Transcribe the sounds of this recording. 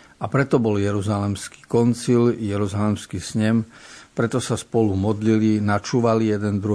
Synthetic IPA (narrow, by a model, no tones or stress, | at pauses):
apɾɛt̪ɔbɔljɛɾuzalɛmski̥kɔnt͡siːljɛɾuzalɛmskiːsɲɛmpɾɛt̪ɔsaspɔlumɔd̪lilinat͡ʃuːʋalijɛd̪ɛnd̪ɾu